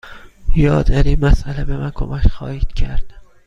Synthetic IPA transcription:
jɒːd̪aɾimasʔalabe̞mænkʰo̰makχɒːhid̪̥kʰaɾd̪ɪ

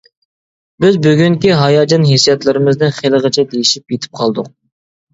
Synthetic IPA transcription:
bɪzbyɡʲyŋkʲiɦɑjɑːd͡ʒɑnɦesijɛt̪lˠɨɾɨmɪzd̪ɨnχelˠəʁət͡ʃʰɛd̪ejiʃipjet̪ʰɪ̥p̚qʰɑlˠd̪ʊq̚

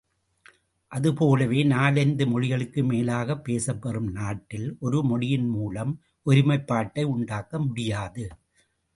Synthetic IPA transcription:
ʔɐðɯpoːlɐʋeːnaːlɐnd̪ɯmɔɻɪɣɐɭɯkːɯmeːlaːɣɐpːeːsɐpːɐrɯmnaːʈːɪlʔɔɾɯmɔɽɪjɪnmuːlɐm | ʔɔɾɪmɐɪpːaːʈːɐɪʊɳɖaːkɐmʊɽɪjaːðɯ

